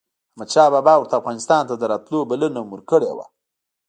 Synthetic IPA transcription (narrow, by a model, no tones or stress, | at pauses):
hamad̪t͡ʃɑbɑbɑwʊɾt̪aːfɣɑnɪst̪ɑnt̪ad̪əɾɑt̪lobalənomuɾkəɽḛwa̰